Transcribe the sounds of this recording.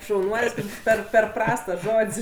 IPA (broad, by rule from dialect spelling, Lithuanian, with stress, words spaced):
ʃɐʊˈnuɔlʲsʲ ˈpʲɛr pʲɛr ˈprɐsts tɐs ˈʒoːtʲsʲ